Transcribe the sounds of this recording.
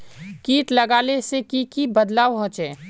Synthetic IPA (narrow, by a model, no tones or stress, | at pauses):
kiːʈ̪lɐɡaːlesekikibəd̪laːʋɦɔ̃ːt͡ʃẽː